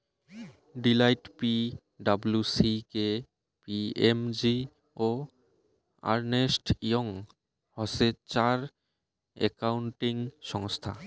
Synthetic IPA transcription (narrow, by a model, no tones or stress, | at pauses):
ɖilajʈpi | ɖabulusike | piemd͡ʑi | o | a̰ɾnesʈijoŋ | hɔset͡ɕaɾ | ḛkawɳʈiŋʃɔŋst̪ʰa̰